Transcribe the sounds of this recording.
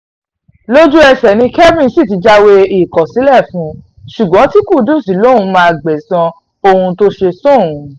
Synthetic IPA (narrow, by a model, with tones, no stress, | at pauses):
lo˦d͡ʒu˦ɛ˧sɛ˨nĩ˧kɛ˦vĩ˦˨n˦si˦˨ti˨˧d͡ʒa˧we˧i˦˨kɔ˨si˨˦lɛ˦˨fũ˨˦ | ʃu˨ɡ͡bɔ̃˨˦ti˦ku˦˨dũ˦˨si˨˦lo˦ũ˧˦mãː˦˨ɡ͡bɛ˨sɔ̃˧ | o˧hũ˧to˦ʃe˧sõ˦˨ũ˨˦